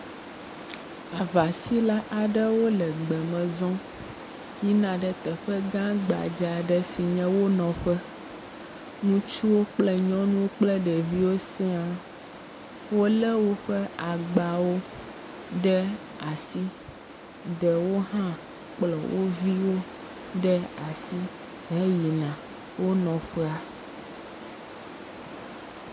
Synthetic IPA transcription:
a˨va˨si˦la˦ʔa˨ɖɛ˦wo˦lɛ˨ɡ͡bɛ˨mɛ̃˨zɔ̃˦ | ji˦nã˨ɖɛ˦t̪ɛ˨ɸɛ˦ɡã˦ɡ͡ba̰˨d͡ʒa˨ɖɛ˦si˨ɲɛ̃˦wo˦nɔ̃˨ɸɛ˦ | nũ˦t͡ʃu˦wo˦k͡plɛ˦ɲɔ̃˦nũ˦k͡plɛ˦ɖɛ˨vi˦wo˦sɛ˦a˨ | wo˦lɛ˦wo˦ɸɛ˦a˨ɡ͡ba˨wo˦ | ɖɛ˦ | a˨si˦ | ɖɛ˨wo˦ɦã˦ | k͡plɔ˨wo˦vi˦wo˦ | ɖɛ˦a˨si˦ | ɦɛ˦ji˨nã˨ | wo˦nɔ̃˨ɸɛ˦a˦

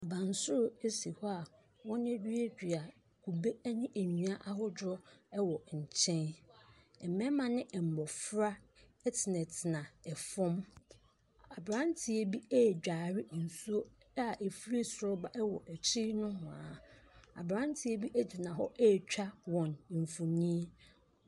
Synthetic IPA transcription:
a˨bã˨n˨sʊ˦ɾʊ˨e˦si˨hɔ˦a˨ | wɔ̃˦n˦e˦d͡ʑᶣi˦e˦d͡ʑᶣi˨a˨ | kʰu˨be˦nɪ̃˦ʔe˨nĩ˨a˦ʔa˦ɦɔ˦dɔ˦ɛ˦wɔ˨ɲ̩˨t͡ɕʰɛ̃˦n | ɛ˨mɛ̃˦mã˨nɪ̃˦ʔɛ˨m̩˨bɔ˨fɾa˦ | ɛ˦tʰɪ˨nɛ̃˨tʰɪ˨nã˨ɛ˨fɔ̃˦m | a˨bɾã˦n˦tʰɪ˨e˨bi˦ɛ˦˨d͡ʑᶣaː˨ɾɪ˦˨n̩˨su˦o˦ | a˦˨ʔe˨fɾe˦sɾɔ˦ba˨ʔɛ˦wɔ̰˨ʔɛ˨t͡ɕʰi˦nʊ̃˦ɦʊ̃˨ã̰˨˦a̰˨bɾã˦n˦tʰɪ˨e˦bi˦ʔæ˦di˨nã˨ɦɔ˦ʔɛ˦˨t͡ɕᶣa˦wɔ̃˨n˨ɱ˨fũ˨nĩ˦e˦

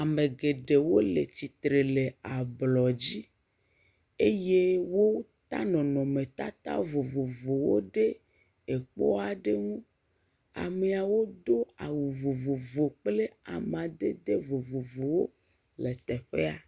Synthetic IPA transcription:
a˨me˨ɡe˨ɖe˨wo˦le˨t̪i˨t̪ɾe˨le˨a˨blɔ˨d͡ʑi˦ | e˦je˦wo˦t̪a˦nɔ̃˨nɔ̃˨me˨t̪a̰˦t̪a̰˦vo˨vo˨vo˨wo̰˦ɖe˦ | e˨k͡pɔ̰˦a˨ɖe˦ŋũ˦ | a̰˨me˨a˨wo˦d̪o˦a˨wu˨vo˨vo˨vo˨k͡ple˦a̰˨mã˨d̪e˦d̪e˦vo˨vo˨vo˨wo˦ | le˨t̪ɛ˨ɸe˦a˨

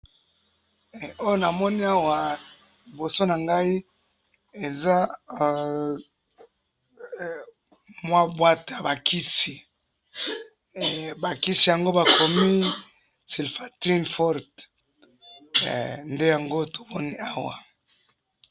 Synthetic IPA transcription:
o˦jo˦na˨mɔ˦ni˦a˦wa˨ | li˨bo˨so˦na˨ŋɡa˦i˦ | e˨za˦ | mwa˦bwa˦ta˨ba˨kʰi˦si˨ | ba˨ki˦si˨ja˨ŋɡo˦ba˨kʰo˨mi˦ | si˨lfa˨ti˦nfɔ˦ʁt | nde˦ja˨ŋɡo˦to̥˨mɔ˦ni˦a˦wa̰˨

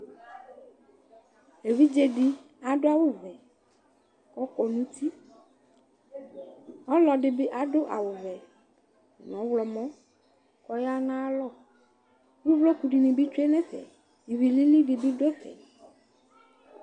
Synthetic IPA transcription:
e˨βi˦d͡ʒe˨ɖi˦ | a˨ɖo˦a˦wo˦vɛ˨ | kɔ˦kɔ˨nũ˦t̪i˦ | ɔ˦lɔ˨ɖi˨bi˦ʔa˨ɖo˦ʔa̰˨wo˨vɛ˨ | nɔ̃˨˦wlɔ˨mɔ̃˦ | kɔ˦ja˦nã˦lɔ˦˨ | wu˦vlɔ˦ku˨ɖi˨nĩ˨bi˦t͡ʃu˦e˦nɛ̃˦ɸɛ̰˨ | i˨vi˨li˦li˦ɖi˨bi˦ɖo˦ɛ˦ɸɛ̰˨

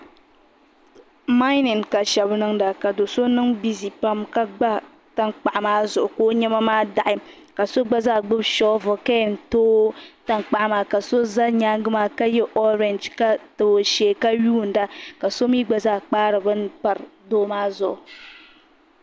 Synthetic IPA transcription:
ma˦ɪ˦nɪ˨nka˨ʃɛ˨bnɨ˦ŋda˨ka˨do˨so˦nɨ˦ŋbi˦zi˨pa˦mka˦ɡ͡ba˦ | ta˦ŋk͡pa˨ʔa˨maː˦zʊ˨ʔʊ˨koː˦ɲɛ˦ma˦maː˦da˨ʔɪ˦ | ka˨so˦ɡ͡ba˦zaː˦˨ɡ͡bɨ˦bʃɔ˦vʊ˨ka˦˨n̩˨toː˦ta˦ŋk͡pa˨ʔa˦maː˨ka˨so˦za˦ɲaː˦ŋ˦ɡɨ˦maː˦ka˦jɛ˦ʔɔ˦ɾɛ˨nd͡ʒka˦tɨ˨bo˨ʃeː˨ka˦ɥuː˦˨n̩˨da˦ka˨so˦mi˦ɡ͡ba˨zaː˦˨k͡paː˦ɾɨ˨bɨ˦n˦k͡pa˨ɾɨ˨doː˦maː˦zʊ˨ʔʊ˨

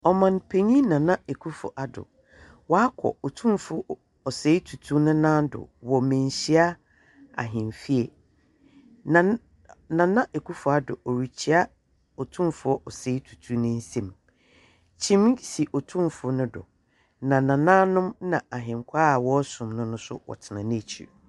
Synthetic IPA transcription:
ɔ˨mã˨npʰe˨ɲĩ˦nã˨nã˦e˨kʰu˦fʊ̰˨ʔa˨dʊ̰˨ | wɔ˨˦a˦kʰɔ̰˨ɔ˨tʰũ˦mfʊ˦ | ɔ˨se˨˦i˦tʰu˨tʰu˦nʊ̃˦nã˦dʊ̰˨wɔ˨mɛ̃˨n˨ɕi˦a˦ | a̰˨ɦɪ̃˨mfi˦e˨ | nã˨ | nã˨nã˦ʔe˨kʰu˦fʊ˨a˦dʊ̰˨ɔ˨ɾi˨t͡ɕʰi˦a˦ | ɔ˨tʰũ˦mfʊ˨˦ɔ˦ʔɔ˨se˨˦i˦tʰu̥˨tʰu˦nʊ̃˦n̩˦sɛ̃˦m | t͡ɕʰĩ˦m˦si˨ʔɔ˨tʰũ˦mfʊ˨˦nʊ̃˦dʊ̰˨ | nã˨nã˨nãː˦nʊ̃˦mnã˨a˨ɦɪ̃˨ŋkʷʰaː˦a˨wɔ˦sʊ̃˨mnʊ̃˦nʊ̃˦sʊ̰˦wɔ̰˨tʰɪ˨nã˨nɪ̃˦˨t͡ɕʰḭ˨

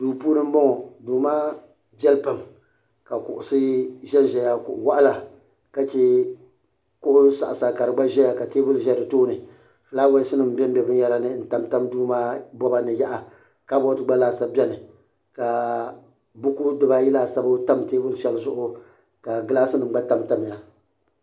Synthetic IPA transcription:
duː˨puː˦nɨ˦m̩˦bɔ˦ŋɔ˨duː˨maː˦ | bɛ˦lpa˨m | ka˨kʊ̰˨ʔʊ˨sɨ˦ʒɛ˦nʒɛ˨ja˦kʊ̰˨ʔʊ˨wa˦ʔa˦la˨ | ka˦t͡ʃɛ˦ | kʊ˦ʔʊ˦sa̰˨ʔa˨sa˨ka˨ɾɨ˨ɡ͡ba˦ʒɛ˦ja˨ka˨teː˦bʊ˦lʒɛ˦ɾɨ˨toː˦nɨ˨ | fɨ˨laː˦wa˦sɨ˦nɨ˨m̩˨˦bɛ˦m̩˦bʲɛ˨bɨ˦n˦ja˦ɾa˦nɨ˦n̩˨ta˦mta˦mduː˦maː˦bɔ˦ba˦nɨ˨ja˦ʔa˨ | ka˦bɔ˦tɨ˦ɡ͡ba˦laː˦˨sa˦bɛ˦nɨ˨ | ka˨ | bʊ˦ku˦dɨ˨ba˦jɪ˦laː˨sa˦bʊ˦ta˦mteː˦bʊ˦lʃɛ˦lzʊ˦ʔʊ˦ | ka˨ɡɨ˦laː˦sɨ˦nɨ˨m̩˦ɡ͡ba˦ta˦mta˨m˨ja˨

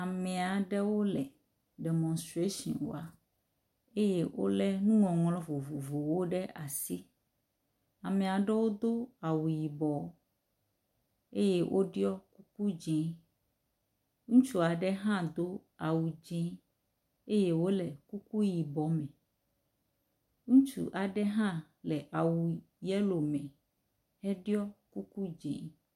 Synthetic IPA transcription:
a˨mɛ̃˨a˨ɖɛ˦wo˦lɛ˨ | ɖe˨mɔ̃˨nstɾe˦ʃɔ̰̃˨nwo̰˨a˨ | e˦je˦wo̰˦lɛ˦nũ˦ŋɔ̃˨ŋlɔ̃˦vo˨vo˨vo˨wo˦ɖɛ˦ʔa˨si˦ | a˨mɛ̃˨a˨ɖɛ˦wo˦d̪o˦a˨wu˨ji˨bɔ˨˦ | e˦jɛ˦wʔo̰˦ɖi˦ɔ˦ku˦k̚u˦d͡ʒĩ˦ | ŋũ˦t͡ʃu˦a˨ɖɛ˦ɦã˦d̪o˦a˨wu˨d͡ʒẽ˦ | e˦je˦wo˦lɛ˨ku˦ku˦ji˨bɔ˨˦mɛ̃˨ | ŋũ˦t͡ʃṵ˨ʔa˨ɖɛ˦ɦã˦ | lɛ˨ʔa˨wu˨ | jɛ˦lo˨mɛ̃˨ | ɛ˦ɖi˦ɔ˦ku˦ku˦d͡ʒḛ̃˨˦

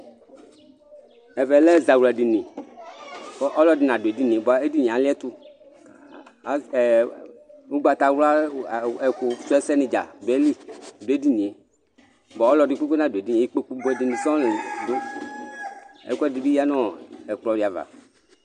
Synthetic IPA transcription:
ɛ˨vɛ˨lɛ˦˨za˨wu˨la˨di˨nĩ˨ | ɔ˦ʔɔ˦lɔ˦dɪ˨nã˨do˨e˨di˦nĩ˨e˨ba˨e˦di˦˨ɲĩ˨a˨lɪ˦ɛ˦t̪u˦˨˦ | u˦ɡ͡ba˨t̪a˨˦wu˦la˦˨ɛ˨ku˨˦su˦ɛ˦sɛ˦nĩ˨d͡ʒa̰˨do˨ɛ˦li˦do˨e˦di˦nĩ˨e˨ | bɔ˨ɔ˦lɔ˨di˨k͡pu˦ke˦nã˨de˨di˦ɲ˨˦i˦k͡po˦k͡pu˦bɛ˨di˨nĩ˨sɔ̃˦ldo˦ | ɛ̰˨ku˦ɛ˦˨di˨bi˦ja˦nɔ̃˦ɛ˨k͡plɔ˨di˨a˨va̰˨

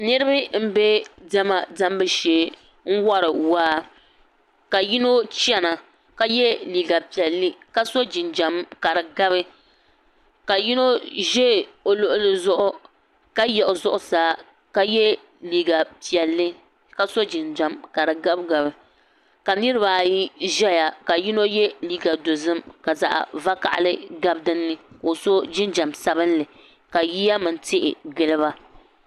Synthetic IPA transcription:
nɨ˦ɾɨ˦bɨ˦m̩˦be˦da˦ma˨da˦mbɨ˦ʃe˦ | ŋ̩˦wa˦ɾɨ˨waː˦ | ka˨ji˦no˦t͡ʃɛ˦na˨ | ka˦jɛ˦liː˨ɡa˨pi˨ɛ˨lːɨ˦ka˦so˦d͡ʒɪ˨nd͡ʒa˨mka˨ɾɨ˨ɡa˦bɨ˦ | ka˨ji˦no˦ʒɛ˦˨o˨lʊ˦ʔʊ˦lɨ˨zʊ˦ʔʊ˦ | ka˦jɛ˨ʔʊ˨zʊ˦ʔʊ˦saː˨˦ | ka˦jɛ˦ | liː˨ɡa˨pi˨ɛ˨lːɨ˦ | ka˦so˦d͡ʒɪ˨nd͡ʒa˨mka˨ɾɨ˨ɡa˦bɡa˨bɨ˨ | ka˨nɨ˦ɾɨ˦ba˨ji˦ʒɛ˦ja˨ka˨ji˦no˦jɛ˦liː˦ɡa˨do˨zɨ˦mka˨za̰˨ʔa̰˨va˦ka̰˨ʔa̰˦lɨ˦ɡa˦bdɨ˦nːɨ˦ko˨so˦d͡ʒɪ˦nd͡ʒa˨msa˦bɨ˦nlɨ˨ | ka˨ji˦ja˦mɨ˨n˦tɪ˦ʔɪ̰˨ɡɨ˦lɨ˦ba˦

